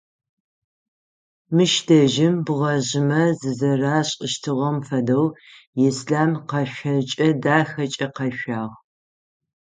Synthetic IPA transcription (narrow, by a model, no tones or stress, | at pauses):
mɨʃdɐʒɪmbɨʁɐʑɪmɐzɨzɐraːɕʼəʃtʰɨʁɐmfɐdɐwjɪsɬaːmqɐʃʷɐt͡ʃʼɐdaːxɐt͡ʃʼɐqɐɕʷaːʁ